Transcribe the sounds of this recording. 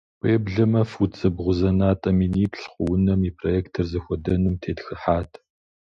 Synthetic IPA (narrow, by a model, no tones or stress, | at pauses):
pʷʼeːbɮɐmɐfut͡sʼɐbʁʷʊzɐnaːtʼɐminiːpɬχʷʊwʊnɐmiːpʰrojɛːktʰɐrzɐxʷɔdɐnumtʰeːtxɨħaːtʰ